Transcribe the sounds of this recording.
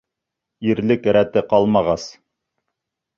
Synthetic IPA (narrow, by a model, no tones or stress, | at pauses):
iɾlɘkɾæt̪ɘqɑlˠmɑʁɑs